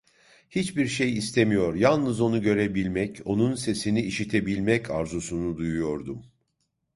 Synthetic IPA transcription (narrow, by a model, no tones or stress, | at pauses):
hit͡ʃbiɾʃe̞jist̪ʰemijo̞ɾjalˠnɯzo̞nuɟø̞ɾe̞bilʲmɛco̞nunse̞siniːʃit̪ʰe̞bilʲmɛcʰaɾzusunud̪ujujo̞ɾd̪um